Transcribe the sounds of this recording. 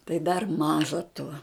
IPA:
tɐɪ dɐr ˈmɑːʒɐ tuɔ

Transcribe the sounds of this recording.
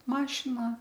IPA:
ˈmɑːʃʲɪnɐ

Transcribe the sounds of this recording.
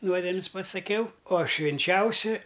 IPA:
ˈnuɔdʲɛmʲɪs pɐsɐˈkʲɛʊ oː ʃʲʋʲɪnʲˈt͡ʃʲɛʊsʲɪ

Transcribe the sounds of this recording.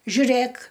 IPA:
ʒʲʊˈrʲeːk

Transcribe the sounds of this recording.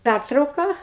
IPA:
ˈpʲærtrɐʊkɐ

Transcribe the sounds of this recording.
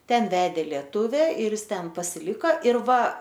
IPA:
ˈtʲɛn ˈʋʲæːdʲeː lʲiɛˈtʊʋʲɛ ɪr ˈjɪs ˈtʲɛn pɐsʲɪˈlʲɪkɐ ɪr ˈʋɐ

